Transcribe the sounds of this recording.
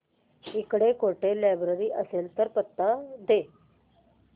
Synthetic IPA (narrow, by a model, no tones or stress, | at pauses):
ikɽekoʈelabɾəɾiːʔəselt̪əɾpət̪ːad̪e